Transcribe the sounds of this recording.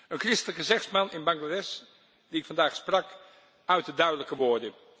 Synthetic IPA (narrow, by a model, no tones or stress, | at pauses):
ənkrɪstələkəzɛχsmɑnɪnbɑŋladɛs | d̥iɪkfɑndaːχsprɑk | œɥt̚dədœɥdələkəʋʊːɹdə